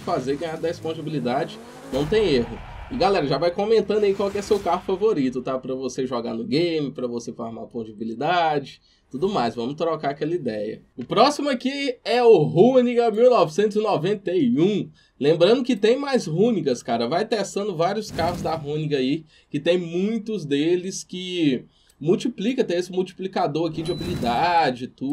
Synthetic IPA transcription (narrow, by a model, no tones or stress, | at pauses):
fazeɡɐ̃j̃aɾd̪ɐispõzibilid̪ad͡ʒɪ | nɐ̃w̃t̪ẽj̃eɦʊɪɡalɛɾɐʒavajkõmẽnt̪ɐ̃nd̪ʊɐikwawkɪɛsewkaɦʊfavoɾit̪ʊt̪apɾɐvoseʒɔɡa̰nʊɡẽjmɪpɾɐvosefɔɾma̰põd͡ʒibilid̪ad͡ʒɪ | t̪ud̪ʊmajzvɐ̃mʊt̪ɾɔkaɾɐkɛlɐid̪ɛjɐ̰ | ʊpɾɔsimʊɐkiɛʊɦuniɡɐmiwnɔvisẽnt̪ʊzinɔvẽnt̪ejũ | lẽmbɾɐ̃nd̪ʊkɪt̪ẽj̃majzɦũniɡɐskaɾɐvajt̪ɛst̪ɐ̃nd̪ʊvaɾiʊskaɦʊzd̪ɐɦũniɡɐi | kɪt̪ẽj̃mũj̃t̪ʊzd̪elɪskɪ | muwt͡ʃiplikɐt̪ẽj̃esɪmuwt͡ʃi̥plikad̪oɾakid͡ʒɪopilid̪ad͡ʒɪt̪u